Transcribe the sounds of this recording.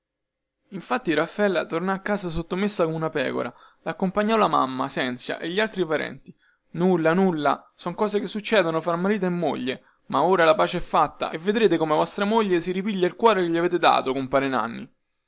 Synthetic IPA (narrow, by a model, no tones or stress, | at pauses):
iɱfat̪ːiɾafːɛlːat̪ornɔakːaːzas̬ot̪ːomesːakomunapɛ̰ːko̰ɾa | laːkːompaɲːɔlama̰mːasɛnsja̰ʔeʎːialt̪ɾipaɾɛ̰nt̪i | nulːanulːasɔŋkɔːzekesːut͡ʃːɛːd̪onofɾamːaɾiːt̪oemːo̰ʎːe | maoːɾalapaːt͡ʃeɛfːat̪ːa̰evːed̪ɾeːt̪ekomevɔst̪ɾamoʎːesiɾipiʎːailkwɔːɾekeʎːiaveːt̪̬ed̪a̰ːt̪okompaːɾena̰nːi